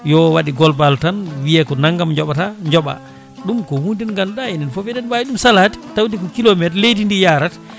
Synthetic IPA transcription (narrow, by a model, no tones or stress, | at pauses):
jɔwaɗiɡɔlbaltanwijɛkɔnaŋɡamɲd͡ʒɔɓataɲd͡ʒɔɓa̰ | ɗumkɔwundinŋɡanɗaɛndɛnfɔfɛdɛnbajiɗumsalati̥tawdikɔkilɔmɛtlejdindijaːɾat